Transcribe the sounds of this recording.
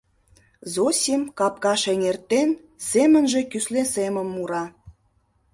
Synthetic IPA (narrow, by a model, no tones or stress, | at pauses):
zosʲimkɑp̚kɑʃeŋert̪en | zemə̆nʒĕkyslesemə̆mːuɾɑ